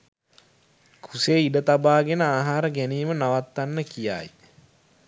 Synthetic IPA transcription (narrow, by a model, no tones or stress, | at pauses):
kʰuseːiɖət̪abaːɡenəaːɦaːɾəɡæniːmənaʋat̪ːanːəkija̰ːj